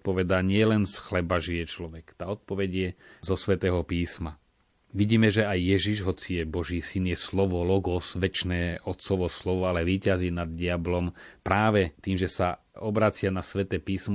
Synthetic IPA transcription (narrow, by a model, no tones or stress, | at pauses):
t̪̚pɔʋɛd̪aːɲɪɛlɛnsxlɛbaʒijɛt͡ʃlɔʋɛkt̪aːɔt̪̚pɔʋɛɟjɛzɔsʋɛt̪ɛːɦɔpiːsma | ʋiɟiːmɛʒɛajːɛʒiʒɦɔt͡sijɛbɔʒiːsinjɛslɔʋɔlɔɡɔsʋɛt͡ʃnɛːʔɔt̪sɔʋɔslɔʋɔalɛʋiːcaziːnad̪ɟɪablɔmpɾaːʋɛt̪iːmʒɛsa | ɔbɾat͡sɪanasʋɛt̪ɛːpiːsmɔ